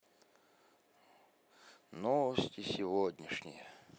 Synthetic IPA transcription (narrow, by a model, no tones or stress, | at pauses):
nɔvəsʲtʲɪsʲɪvodʲnʲɪʂnʲɪ̰jə